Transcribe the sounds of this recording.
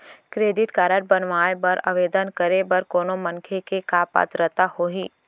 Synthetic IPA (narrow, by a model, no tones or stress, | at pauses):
kɾeːɖɪʈkaːɾəʈ̚bənʋaːebɐɾa̰ʋeːd̪ənkəɾebɐɾkoːnomɐ̃nkʰekekaːpa̰ːt̪ɾət̪ahoɦiː